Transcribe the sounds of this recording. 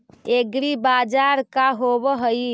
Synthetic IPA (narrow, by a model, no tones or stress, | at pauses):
eɡɾibad͡ʒaːɾkaɦobəɦəi